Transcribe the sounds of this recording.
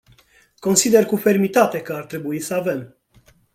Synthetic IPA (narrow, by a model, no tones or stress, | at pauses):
ko̞nsid̪e̞rkufe̞rmit̪at̪e̞kəart̪ɾe̞buisəave̞m